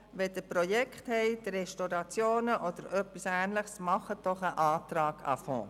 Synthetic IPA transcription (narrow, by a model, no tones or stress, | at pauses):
ʋɛd̥̪əpɾɔjɛkχthɛɪd̥̪ərɛʃtoɾɑt͡sjoːnəʔɔd̪̥əɾʔœpisæːnləχsmɑχəd̥ɔχəʔɑːt̪ɾɑːɡ̥ɑ̰fɔ̰̃ː